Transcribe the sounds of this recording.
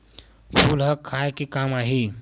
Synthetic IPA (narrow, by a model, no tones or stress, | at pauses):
fʰulɦəkʰajkikamaɦi